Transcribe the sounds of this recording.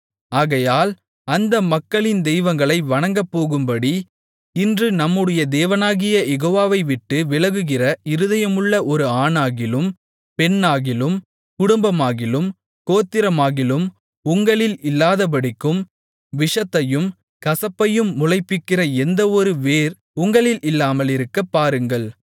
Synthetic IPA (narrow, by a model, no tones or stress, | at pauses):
aːɣɐjaːl | ɐnd̪ɐmɐkːɐɭɪnd̪ɛjʋɐŋɡɐɭɐɪʋɐɳɐŋɡɐpːoːɣɯmbɐɽi | ɪndrɯnɐmːɯɽɐjɐd̪eːʋɐnaːɣɪjɐjɛɣoːʋaːʋɐɪʋɪʈːɯʋɪlɐɣɯɣɪrɐɪɾɯðɐjɐmɯɭːɐʔɔɾɯaːɳaːɣɪlɯm | pɛnːaːɣɪlɯm | kʊɽʊmbɐmaːɣɪlɯm | koːt̪ːɪɾɐmaːɣɪlɯm | ʊŋɡɐɭɪlɪlːaːðɐp̬ɐɽɪkːɯm | ʋɪʂɐt̪ːɐjɯm | kɐsɐpːɐjɯmːʊlɐɪpːɪkːɪrɐɛnd̪ɐɔɾɯʋeːɾ | ʊŋɡɐɭɪlɪlːaːmɐɭɪɾɯkːɐpːaːɾɯŋɡɐɭ